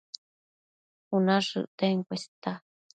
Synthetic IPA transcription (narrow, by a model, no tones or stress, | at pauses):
unaʂɨ̰ʔt̪eŋkʷest̪a